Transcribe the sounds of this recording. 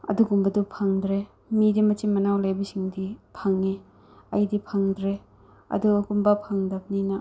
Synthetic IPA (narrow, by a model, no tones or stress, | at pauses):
ɐ̰duɡumbɐdupʰaŋdɾe | midimɐtimɐnawlajbɐsiŋdipʰaŋe | ɐ̰jdipʰaŋdɾe | ɐ̰duɡumbɐpʰaŋdɐp̚ninɐ